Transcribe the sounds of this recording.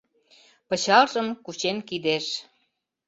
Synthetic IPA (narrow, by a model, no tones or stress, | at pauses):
pə̆t͡ɕɑlʒə̆mkut͡ɕenkid̪eʃ